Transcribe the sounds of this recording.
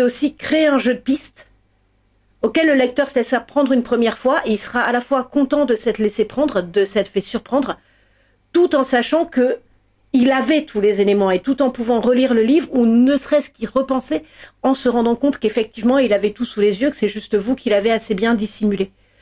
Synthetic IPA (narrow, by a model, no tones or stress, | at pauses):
osikχeeɛ̃ʒød̪əpist̪ | okɛlːəlɛk̚t̪œʁslɛsapχɑ̃d̪ʁynpχəmjɛʁfwaʔeilsəʁaalafwakɔ̃t̪ɑ̃d̪əsɛt̪lesepχɑ̃d̪ʁd̪əsɛt̪fɛsyʁpχɑ̃d̪ʁ | t̪ut̪ɑ̃saʃɑ̃kə | ilavɛt̪ʰulezelemɑ̃et̪ut̪ɑ̃puvɑ̃ʁəliʁləlivʁunəsχɛskʲiʁəpɑ̃sɛɑ̃səʁɑ̃d̪ɑ̃kɔ̃t̪kefɛk̚t̪ivmɑ̃ilavɛt̪usulezjøkə̥sɛʒyst̪vukʰʲilaveasebjɛ̃d̪isimyle